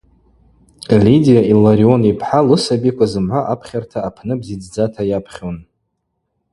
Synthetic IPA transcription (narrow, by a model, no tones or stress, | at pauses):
lidijailaɾio̞nipʰħalɨsabikʷʰʼazɨmʕʷaʔapʰχʲartʰaːpʰnɨbzid͡zd͡zatʰajapʰχʲon